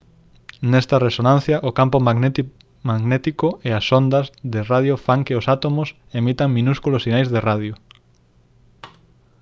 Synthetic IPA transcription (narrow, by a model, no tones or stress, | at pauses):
nɛst̪ɐresonãn̟θjɐʔʊkampoma | maɣnet̪ikoeɐsond̪ɐzðɪraðjofaŋkɪʊsat̪omʊs | emit̪ɐŋmĩnuskulosinajzðeraðjʊ